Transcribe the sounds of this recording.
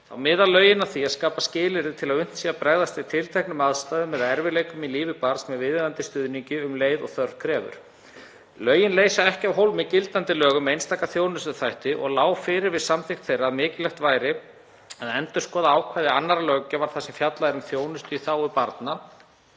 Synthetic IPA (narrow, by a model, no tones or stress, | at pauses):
a̰wmɪːðalœɥjɪnaθiaskaːpascɪːlɪɾɪt̪ʰɪlaðʏn̥t̪siːapɾaɣðast̪ɪ̥t̪ʰɪlt̪ʰɛhknʏmaðst̪aːðʏmːɛðaɛɾvɪlejkʏmiliːvɪpaɾsmɛðvɪːðɪɾant̪ɪst̪ʏðniɲcɪʏmleːjðɔ̰ɣθœɾðkʰɾɛːvʏ̰ɾ̥ | lœːɥjɪnleːjsaɛhcɪawɦowlmɪcɪlt̪ant̪ɪlœːɣʏmɛejnst̪aːkaθjoːwnʏst̪ʏθajht̪ɪʔɔ̰ɣlaːwfɪːɾɪɾvɪðsamθɪxt̪θejrːaːðmɪːcɪlɛxt̪vaːjɾɪ | aðɛnt̪ʏ̥skɔːðaaːwkʰvajðɪanːaɾalœcavaɾ̥θasɛmfjat̪laðɪɾʏmθjoːwnʏst̪ʏiθaːwʏpaɾt̪na